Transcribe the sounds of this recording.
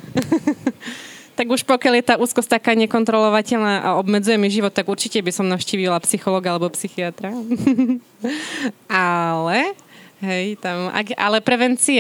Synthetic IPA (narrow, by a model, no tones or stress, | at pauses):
t̪aɡuʃpɔkɪaljɛt̪aːʔuːskɔsct̪akaːɲɛkɔnt̪ɾɔlɔʋacɛʎnaːʔa̰ɔbmɛd͡zujɛmiʒiʋɔt̪ːaɡuɾt͡ʃicɛbisɔmnaʊʃciːʋilapsixɔlɔːɡalɛbɔpsixiat̪ɾa | ʔalɛɦɛjt̪ama̰ɡʔa̰lɛpɾɛʋɛnt͡sia